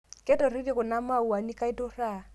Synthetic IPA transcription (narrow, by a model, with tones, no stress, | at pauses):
kɛ˦tɔ˨ri˦di˦kʊ˨na˦ma˦u˨a˨ni˦ka˦i˦tʊ˦ra˦˨